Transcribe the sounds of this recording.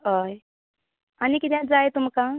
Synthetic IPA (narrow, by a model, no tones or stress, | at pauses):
ɦəj | anikit̪jãd͡zajt̪umkã